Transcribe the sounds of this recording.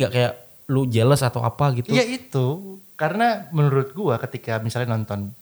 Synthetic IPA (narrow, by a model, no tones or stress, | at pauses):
ɡaʔkajaʔ | lud͡ʒələsat̪awʔa̰paɡit̪ujait̪ukaɾənamənuɾʊt̪̚ɡuakət̪ikamisalɲanɔnt̪ɔn